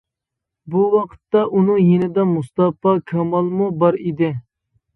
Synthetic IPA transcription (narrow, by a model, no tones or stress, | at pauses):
buwɑqʰə̥t̪ːɑʔunɨŋjinɪd̪ɛmust̪ɑpɑkʲʰɑmɑlˠmubɑɾid̪ɪ